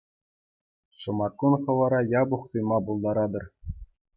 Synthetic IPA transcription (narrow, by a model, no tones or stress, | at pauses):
ʂɤ̆mɑkːunχɤ̆ʋɑɾɑjɑbuχt̪ujmɑbulˠd̪ɑɾɑd̪ɤ̆r